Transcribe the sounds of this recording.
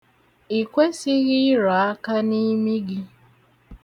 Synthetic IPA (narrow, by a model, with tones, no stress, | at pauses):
i˨kʷe˦sɪ˦ɣɪ˦ɾɔ˨a˦ka˦ni˦mi˦ɡɪ˦